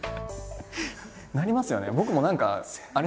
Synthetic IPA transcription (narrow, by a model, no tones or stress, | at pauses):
naɾʲimasɨjo̞̰nḛbo̞kɯ̟mo̞nãŋka̰aɾ